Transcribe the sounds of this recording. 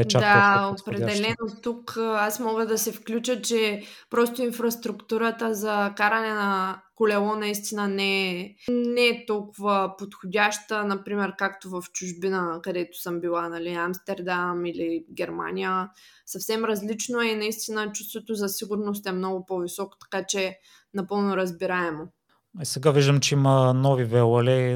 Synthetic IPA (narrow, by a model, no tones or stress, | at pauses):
d̪aopɾɛd̪ɛlɛnot̪ukasmɔɡəd̪ɐsɛfklʲut͡ʃət͡ʃɛpɾɔst̪ʊinfɾɐst̪ɾukt̪uɾət̪əzɐkaɾɐnɛnɐkolɛlˠɔnɐist̪inənɛ | nɛt̪ɔlˠkʊvəpot̪xʊdʲaʃt̪ənɐpɾimɛɾkakt̪ovɐft͡ʃʊʒbinəkɐd̪ɛt̪ʊ̥səmbilˠanɐliamst̪ɛɾd̪amiliɡʲɛɾma̰nʲijə | sɐfsɛmɾɐzlit͡ʃnoɛnɐist̪inət͡ʃu̥st̪vot̪ozɐsiɡʊɾnos̬t̪ɛmnɔɡʊpovisɔko̥t̪ɐ̥kat͡ʃɛ | nɐpɤlˠnʊɾɐzbiɾaɛmo | ɛsɛɡaviʒd̪əmt͡ʃɛimənɔvivɛlɐlɛ